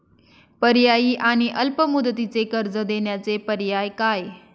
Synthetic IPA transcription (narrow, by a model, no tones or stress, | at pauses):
pəɾjaiʔaːñiʔəlpəmʊd̪ət̪̬it͡sekəɾd͡zəd̪enjat͡sepəɾjaːjkaːe